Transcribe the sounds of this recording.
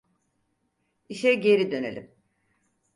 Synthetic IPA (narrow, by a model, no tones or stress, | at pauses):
iʃɛɟe̞ɾid̪ø̞ne̞lʲḭm